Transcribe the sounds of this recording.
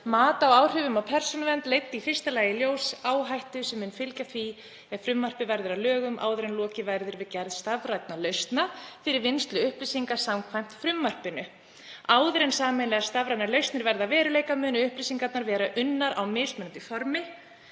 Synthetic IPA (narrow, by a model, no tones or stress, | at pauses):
maːt̪aɔwaːwr̥ʏvʏmawpʰɛr̥sɔnavɛnt̪lejt̪ːifɪr̥st̪alaːjɪljoːwsaːwɦajht̪ʏsɛmːʏːnfɪlcaθvi | ɛfɾʏmːar̥pɪvɛɾðʏɾalœːɣʏmʔa̰ːwðʏɾejnlɔːcɪvajɾðʏɪɾvɪðcɛɾðst̪avɾajt̪nalœɥst̪nafɪɾɪɾvɪnst̪lʏʏhplisiŋkḁsamkʰvajm̥t̪fɾʏmːar̥pɪnʏ | aːwðɾejnsaːmɪnlɛɣast̪avɾajt̪nalœɥst̪nɪɾvɛɾðavɛːɾʏlejkamʏːnʏʏhplisiŋkat̪naɾvɛːɾaʔʏnːaɾawmɪːsmʏnʏnt̪ifɔɾmɪ